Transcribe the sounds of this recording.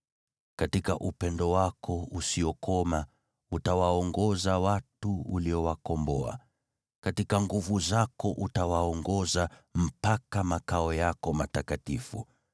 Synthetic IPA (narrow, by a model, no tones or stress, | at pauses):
katikaʔupɛndɔwakʰɔusiɔkɔma | utawaɔŋɡɔzawatuṵliɔwakɔmbɔa̰ | katikaŋɡuvuzakɔʔutawaɔŋɡɔzam̩pakamakaɔjakɔmatakatifṵ